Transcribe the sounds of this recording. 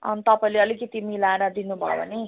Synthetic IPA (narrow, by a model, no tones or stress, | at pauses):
ʌ̰nit̪ʌpãleʌliket̪imilaɽad̪inubʱa̰bʌ̰ni